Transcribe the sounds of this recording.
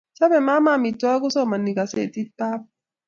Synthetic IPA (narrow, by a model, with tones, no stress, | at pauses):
t͡ʃa˦bɛ˨ma˦ma˦˨mi˨tːɔ˦a˦ku˦so˦˨ma˨nːi˨ka˨sḛ˦˨ti˦pa˦p̚